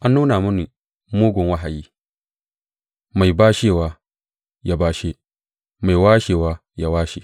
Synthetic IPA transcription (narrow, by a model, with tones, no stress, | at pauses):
ʔa˦nːuː˦na˨mʊ˦ni˨ | moː˦ɡʷʊ˨ŋwa˦ɦa˨jiː˦ | ma˨jbaː˦ʃeː˦˨waː˦ | ja˦baː˦ʃe˦ | ma˨jwaː˦ʃeː˨waː˦ | ja˦waː˦ʃi˨